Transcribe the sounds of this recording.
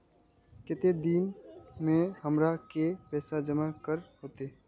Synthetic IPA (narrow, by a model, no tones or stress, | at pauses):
kɪt̪ed̪iːnmẽɦəmɾakepɛːsad͡ʒəmakəɾɦoːt̪e